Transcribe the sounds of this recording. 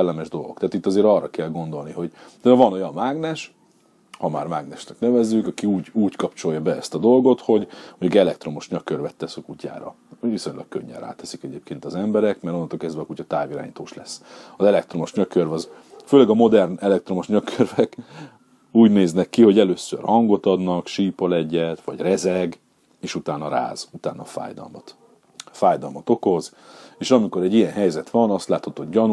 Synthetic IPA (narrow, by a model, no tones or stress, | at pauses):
ɛlːɛmɛʒd̪o̞lɡokt̪ɛaːt̪it̪ːɒzeːɾɒrːɒkɛlɡo̞nd̪o̞lniɦo̞ɟt̪ɛɛvɒno̞jɒnmaːɡnɛʃ | hɒma̰ːrmaːɡnɛʃnɛknɛvɛzːykɒkiuːɟuːckɒpt͡ʃo̞jɒbɛɛst̪ɒd̪o̞lɡo̞t̪ho̞ɟhoɟɡɛlɛkt̪ro̞moʃɲɒkørvɛt̪ːɛsøkucːa̰ːɾɒ̰ | oviso̞ɲlɒ̰k̚kø̰ɲːɛ̰ra̰ːt̪ɛ̥sikɛɟeːp̚keːnt̪ɒzɛmbɛɾɛkmɛɾonːnolkɛzd̪vɛɒkucɒt̪aːviɾa̰ːɲit̪oːʃlɛsːɒzɛlɛk̚t̪ro̞mo̞ʃɲøkørvɒz | føːlɛɡɒmo̞d̪ɛrnɛlɛk̚t̪ro̞mo̞ʃɲøkʰørvɛk | uːɟneːznɛkːiho̞ɟɛløːsːø̰rhɒŋɡo̞t̪ɒd̪nɒkʃiːpɒlɛɟːɛt̪ʋɒɟrɛzɛɡ | eːʃut̪aːnɒɾa̰ːz̥ut̪a̰ːnɒfa̰ːjd̪ɒ̰lmɒt̪ | faːjd̪ɒlmɒt̪o̞ko̞z | eːʃɒmiko̞ɾɛɟːijɛnɦɛjzɛt̪ʋɒnɒst̪laːt̪hɒt̪oːhoɟɟɒnu